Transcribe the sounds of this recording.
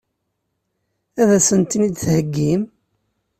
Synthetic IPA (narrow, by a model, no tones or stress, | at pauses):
æðæsənt̪ːinid̪θhəɡːim